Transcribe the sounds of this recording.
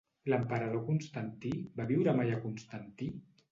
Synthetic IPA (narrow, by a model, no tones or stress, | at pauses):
ləmpəɾaðokunst̪ant̪ibaβiwɾəmajakunst̪ant̪i